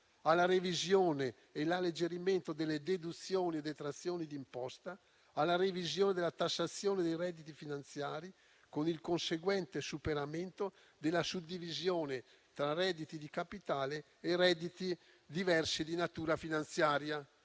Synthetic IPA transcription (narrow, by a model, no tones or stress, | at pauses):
alaɾevizjoːne | elalːed͡ʒeɾiment̪od̪elːed̪ed̪ut̪sːjoːnied̪et̪ɾat̪sːjoːnid̪impɔst̪a | alːaɾevizjoːned̪elːat̪asːat̪sːjoːned̪ejrɛd̪it̪ifinant̪sjaːɾi | konilkonseɡwɛnt̪esupeɾament̪o | d̪elːasud̪ːivizjoːne | t̪ɾarɛd̪it̪id̪ikapit̪aːleː | ɾɛd̪it̪i | d̪ivɛrsid̪inat̪uːɾafinant̪sjaːɾja